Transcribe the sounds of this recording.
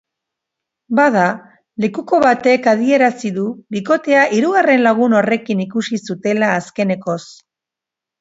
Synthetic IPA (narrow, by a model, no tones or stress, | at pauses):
baða | le̞kuko̞βat̪e̞kað̞ie̞ɾasiðuβiko̞t̪e̞aʔiɾuɣare̞nlaɣ̞uno̞re̞kinikusisut̪e̞laːske̞ne̞ko̞s